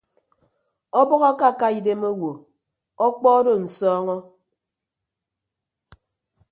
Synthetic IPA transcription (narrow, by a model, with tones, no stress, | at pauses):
ɔ˦bɔ˦ɣa˦ka˦˨ka˦i˨de˦mo˦wo˨ | ɔ˦k͡pɔ˦do˦˨n̩˨sɔː˦ŋɔ˦